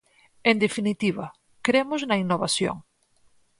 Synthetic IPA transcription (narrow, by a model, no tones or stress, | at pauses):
end̪efinit̪iβ̞a̰ | kɾemoznainːoβ̞asjo̰ŋ